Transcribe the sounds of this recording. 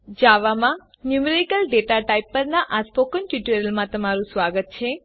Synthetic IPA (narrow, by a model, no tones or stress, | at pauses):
d͡ʒaʋamã | njumeɾikəlɖeʈaʈaipːəɾnaʔaspokənʈjuʈəɾəlmãt̪əmaɾũsʋaɡət̪̚t͡ʃʰe